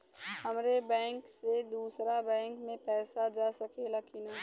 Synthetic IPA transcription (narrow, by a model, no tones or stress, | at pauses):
həmɾebɛ̃ːŋksed̪uːsɾabɛ̃ːŋkmẽpɛːsad͡ʒaːsɐkelɐkinaː